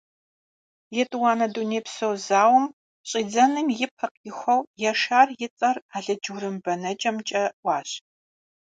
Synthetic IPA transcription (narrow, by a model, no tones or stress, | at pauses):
jɛtʼɨwaːnɐduneːpsowzaːwɐm | ɕʼiːd͡zɐnɨmjɪpʰɐqɪxʷɔwjɛʃaːrjɪt͡sʼɐraːɮɐd͡ʒuɾɨmbɐnɐt͡ʃʼɐmt͡ʃʼɐʔʷɑːɕ